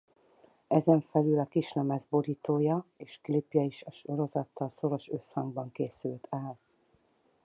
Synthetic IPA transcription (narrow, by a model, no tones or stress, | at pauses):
ɛzɛɱfɛlylɒkiʃnɛmɛzboɾiːt̪oːjɒeːʃklipjɒiʃɒʃo̞ɾo̞zɒt̪ːɒlso̞ɾo̞ʃø̞shɒŋɡbɒŋkeːsylt̪ʰaːl